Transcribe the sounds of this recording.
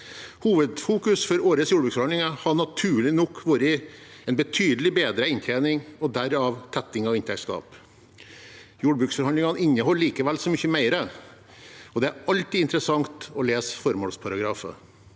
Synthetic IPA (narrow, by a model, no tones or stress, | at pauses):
huːʋəd̪fuːkʉsfɔɾoːɾəsjuːɖəbʉːksfɔɾhɑnlɪŋɑhɑɳɑt̪ʰʉːɭɪnɔkːʋuːɾə | ɛnbət̪ʰyːd̪əlɪbeːd̪ɾəɪnt̪ʰænɪŋɔd̪æɾɑʋt̪ʰɛt̪ːɪŋɑʋɪnt̪ʰɛkskɑ̰ːp | juːɖbɾʉːksfɔɾhɑnd̪ɪŋɑnɪnːəɦɔlːiːkəʋɛlsɔmʏçəmæɪɾə | ɔd̪ɛæɾɑlt̪iːɪnt̪ɾəsɑŋt̪ɔleːsfɔɾmoːlspʰɑɾɑɡɾɑːfə̰